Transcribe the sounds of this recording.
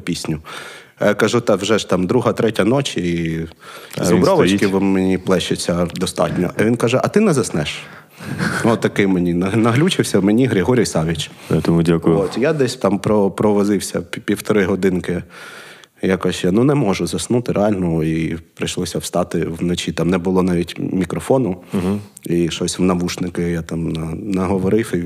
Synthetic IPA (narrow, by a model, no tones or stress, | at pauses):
pʲisʲnʲʊ | kɐʒut̪ɑwʒɛʒt̪ɑmd̪ɾuɦɐt̪ɾɛtʲɐnɔt͡ʃi | zɔbɾɔʋɐt͡ʃkɪʋmenʲiplˠɛʃesʲɐd̪ɔst̪ɑ̰tʲnʲɔ̰ʔɐʋʲinkɐʒɛʔɐt̪ɪnɛzɐsnɛʃ | nɔtt̪ːɐkɪmenʲinɐnɐɦlʲut͡ʃɪwsʲɐwmenʲiɦɾʲɪɦɔɾʲijsɑʋʲit͡ʃt̪ɔmudʲakʊjot̪ʲjad̪ɛsʲt̪ɑmpɾɔpɾɔʋɔzɪwsʲɐ̰pʲiwt̪ɔɾɪɦɔd̪ɪnkɪ | jakɔsʲjanunɛmɔʒʊzɐsnut̪ɪɾʔeɑlʲnɔipɾɪʃlˠɔsʲɐwst̪ɑt̪ɪwnɔt͡ʃʲit̪ɑmnɛbʊlˠɔnɑʋʲitʲmʲikɾɔfɔnʊ | iʃɔsʲwnɐʋuʃnɪkɪjat̪ɑmnɐnɐɦɔʋɔɾɪwi